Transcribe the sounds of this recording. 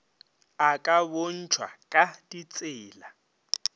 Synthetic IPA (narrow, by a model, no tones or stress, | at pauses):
akʼabon̩t͡ʃʰwa̰kʼad̥it͡sʼɪːla